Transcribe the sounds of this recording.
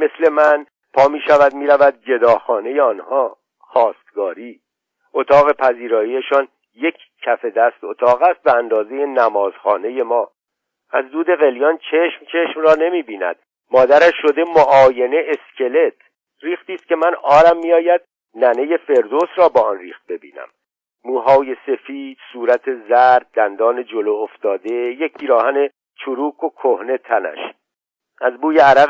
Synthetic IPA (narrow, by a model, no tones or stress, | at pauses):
mesle̞mæn | pʰɒːmiːʃævæd̪miːɾævæd̪̚d͡ʒe̞d̪ɒːxɒːne̞jeɒːnhɒː | xɒːst̪ɡɒːɾiː | ʔot̪ʰɒːɣe̞pʰæziːɾɒːijeʃɒːn | je̞cʰcʰːæfe̞d̪æst̪ot̪ʰɒːɣæst̪̚beænd̪ɒːze̞je̞næmɒːz̥xɒːne̞je̞mɒː | æzd̪uːd̪e̞ɣe̞ljɒːnt͡ʃʰe̞ʃmt͡ʃʰe̞ʃmrɒːne̞miːbiːnæ̰d̪̥ | mɒːd̪æɾæʃʃo̞d̪e̞moʔɒːje̞neʔescʲʰe̞le̞t̪ʰ | riːxt̪iːst̪̚ce̞mænɒːɾæmːiɒːjæd̪̚ | næne̞je̞fe̞ɾd̪osɾɒːbɒːɒnriːxt̪̚be̞bḭːnæ̰mː | uːɦɒːje̞se̞fiːd̪̥suːɾæt̪ʰe̞zæɾd̪̚ːænd̪ɒːne̞d͡ʒolooft̪ɒːd̪e̞jec̚pʰiːɾɒːhæne̞ | t͡ʃʰuɾuːkʰokʰohne̞t̪ʰænæ̰ʃ | ʔæzbuːjeæɾæ